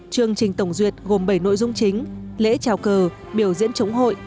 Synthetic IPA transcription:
t͡ɕɨ˨˩əŋt͡ɕï˨˩ŋ̟t̪ə˧˩wŋ͡mzwi˨˩ət̚ɣo˨˩mɓə˧˩jno̰˧˨jzʊ˧ŋ͡mt͡ɕï˨˦ŋ̟lḛ˧˥t͡ɕaː˨˩wkəː˨˩ | ɓi˧˩əwzḭ˧˥ənt͡ɕə˨˦wŋ͡mɦo̰˧˨jʔ

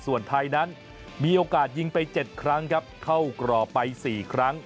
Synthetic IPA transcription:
su˨˩ənt̪ʰa˧jna˦˥n | miː˧ʔoː˧kaː˨˩t̪̚ji˧ŋpa˧jt͡ɕe˨˩t̪̚kʰɾa˦˥ŋkʰa˦˥p̚kʰa˥˩wkɾɔː˨˩pa˧jsiː˨˩kʰɾa˦˥ŋ

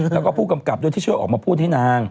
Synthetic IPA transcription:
lɛ˦˥wkɔː˥˩pʰuː˥˩ka˧mka˨˩p̚ɗo˧˩t̪ʰiː˦˥˩t͡ɕʰəʔɔː˨˩k̚maː˧˩pʰuː˥˩t̪ʰiː˦˥naː˧ŋ

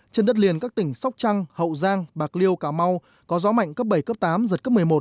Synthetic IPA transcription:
t͡ɕe˧nɗə˦˥t̚li˨˩ənkaː˦˥k̚t̪ï˧˩ŋ̟sa˦˥wk͡p̚t͡ɕa˧ŋhə̰˧˨wzaː˧ŋɓaː˨˩k̚li˧əwkaː˧˩ma˧w | kɔ˨˦zɔ˨˦ma̰˧˨jŋ̟kəː˦˥p̚ɓə˧˩jkəː˦˥p̚t̪aː˨˦mzə˨˩t̚kə˦˥pmɨ˨˩əjmo˨˩t̚

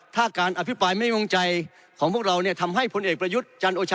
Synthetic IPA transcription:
t̪ʰaː˥˩kaː˧nʔa˧pʰi˦˥pɾaː˧jma˥˩jŋo˧ŋt͡ɕa˧j | kʰɔː˩˦ŋpʰək̚ɾa˧wniː˥˩ɐt̪ʰa˧mɦa˥˩jpʰo˧nʔeː˨˩k̚pɾa˧ju˦˥t̪̚t͡ɕa˧nʔoː˧t͡ɕʰː

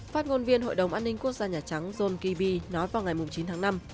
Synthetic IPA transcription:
faː˦˥t̚ŋo˧nvi˧ənɦo̰˧˨jɗə˨˩wŋ͡mʔaː˧nːï˧ŋku˦˥ək̚zaː˧ɲaː˨˩t͡ɕa˨˦ŋzo˧nki˧ɓi˧nɔ˨˦jvaː˨˩wŋa˨˩jmʊ˨˩ŋ͡mt͡ɕi˨˦nt̪ʰaː˨˦na˧m

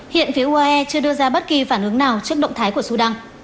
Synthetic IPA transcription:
hḭ˧˨ənfi˨˦əʔu˧ʔaː˧ʔɛ˧t͡ɕɨ˧əɗɨ˧əzaː˧ɓə˦˥t̚ki˨˩faː˧˩nʔɨ˨˦əŋnaː˨˩wt͡ɕɨ˦˥k̚ɗə̰˧˨ŋ͡mt̪ʰaː˨˦jku˧˩əsu˧˩ɗa˧ŋ

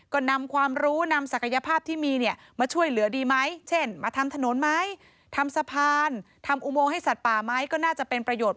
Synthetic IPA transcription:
kɔː˥˩na˧mkʰwaː˧mɾuː˦˥na˧msa˨˩kʰa˧ja˧pʰaː˥˩p̚t̪ʰiː˥˩miː˧ni˥˩ə | maː˧t͡ɕʰu˥˩əjlɯ˨˩˦ədiː˧ma˦˥jt͡ɕʰe˥˩nmaː˧t̪ʰa˧mt̪ʰa˧no˨˩˦nma˦˥j | t̪ʰa˧msa˧pʰaː˧n | t̪ʰa˧mʔu˧moː˧ŋha˥˩jsa˨˩t̪̚paː˨˩ma˦˥jkɔː˥˩naː˥˩t͡ɕa˨˩ʔpe˧npɾa˧joː˨˩t̪̚

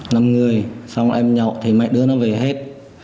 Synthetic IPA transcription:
na˧˩mŋɨ˨˩əjsɔ˧wŋ͡mʔɛ˧mɲɔ̰˨wt̪ʰi˨˩ma̰˨˩jɗɨ˧ənɔ˨˦ve˨˩ɦe˦˥t̚

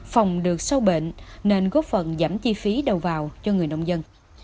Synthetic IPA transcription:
fa˨˩wŋ͡mɗɨ˨˩ək̚sə˧wɓḛ˧˨nːe˧nɣoː˦˥p̚fə˨˩nzaː˧˩mt͡ɕi˧fi˨˦ɗə˨˩wvaː˨˩wt͡ɕɔ˧ŋɨ˨˩əjnə˧wŋ͡mzə˧n

